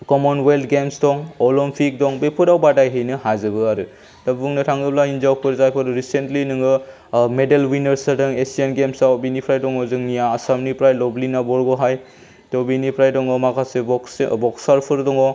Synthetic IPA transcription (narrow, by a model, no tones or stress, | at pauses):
kɔmɔnweltɡemsdɔŋɔlɔmpʰik̚dɔŋbepʰudawbadajɦɯjnɯhajzɯbɯaɾɯ | dabuŋnɯtʰaŋɡɯblainzawpʰɯɾzajpʰɯɾɾisentlinɯŋɯ | medelwinɐɾsaɾdɯŋesienɡemsawbinipʰɾajdɔŋɔzɯŋnijaːsamnipɾajlɔblinabɔɾɡɔɦaj | tɔbinipʰɾajdɔŋɔmakʰasebɔksbɔksaɾpʰɯɾdɔŋɔ